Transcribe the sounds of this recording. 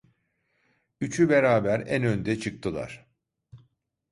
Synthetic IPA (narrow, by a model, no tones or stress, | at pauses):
yt͡ʃʰybeɾaːbæɾænønd̪ɛt͡ʃʰɯk̚t̪ʰɯlˠa̰ɾ̥